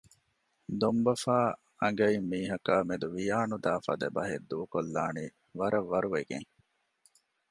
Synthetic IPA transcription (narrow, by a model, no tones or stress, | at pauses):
d̪ombɐfaː | ɐŋɡɐimːiːɦɐkaːmed̪uʋijaːnud̪aːfɐ̰d̪ɐbɐɦed̪ːuːkolːaːniː | ʋɐɾɐʋːɐɾuʋeɡḛŋ